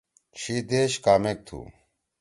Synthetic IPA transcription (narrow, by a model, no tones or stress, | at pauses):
t͡ɕʰid̪eɕkaːmek̚t̪ʰṵ